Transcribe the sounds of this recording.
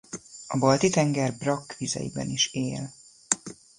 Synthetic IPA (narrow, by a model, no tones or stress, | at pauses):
ɒbɒlt̪it̪ɛŋɡɛrbrɒkːʋizɛ̰jḭbɛ̰niʃeːl